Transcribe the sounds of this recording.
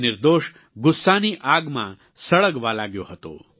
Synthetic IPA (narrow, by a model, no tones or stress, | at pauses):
nɪɾd̪oːʃ | ɡʊsːaːniːʔaːɡmã̰ | sɐɭəɡʋaːlaːɡjo̰ɦɐt̪o̰ː